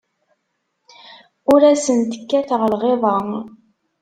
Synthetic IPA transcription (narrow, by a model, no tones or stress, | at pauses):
ʊɾæsənt̪ə̥kːæθəʁlʁeðˤɑ